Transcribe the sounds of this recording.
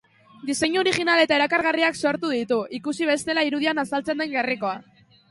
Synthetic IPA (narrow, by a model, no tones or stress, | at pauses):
d̪ise̞ɲuoɾiɣinale̞t̪aeɾakaɾɣ̞ariakso̞ɾt̪uðit̪uʔikusiβ̞e̞st̪e̞laiɾuð̞ianasalt͡se̞nd̪e̞ŋɡeriko̞a